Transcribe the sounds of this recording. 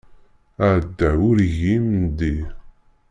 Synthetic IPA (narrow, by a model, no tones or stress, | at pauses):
əʕd̪ːəʊɾʝimnd̪i